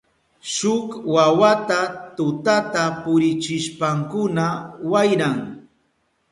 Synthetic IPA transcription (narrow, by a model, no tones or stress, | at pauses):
ʃʊkwawat̪at̪ʊt̪at̪apʊɾɪt͡ʃɪʃpaŋkʊnawajɾaŋ